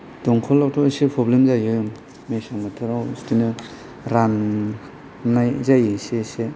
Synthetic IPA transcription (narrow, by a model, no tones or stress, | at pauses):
d̥ɔŋkʰɔlːawtʰɔsipʰɾɔblemzajɯ | mesaŋbatʰɯɾawstinɯ | ɾan | najzajɯsese